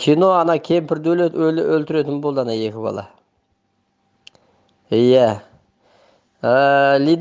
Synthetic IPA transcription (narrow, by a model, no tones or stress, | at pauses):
kʲʰijno̞ɑnɑkʲʰe̞mpɪɾd̪ɵleɵlɪʔɵlt̪ɪɾe̞t̪ɪnbo̞lˠd̪əɑnɑje̞kʲɪbɑ̰lˠɑ̰ | ijæ | əlid̪